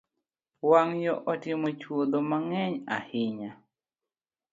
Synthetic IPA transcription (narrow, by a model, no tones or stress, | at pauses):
waŋjɔʔɔtɪmot͡ʃwod̪omaŋɛɲa̰hɪɲa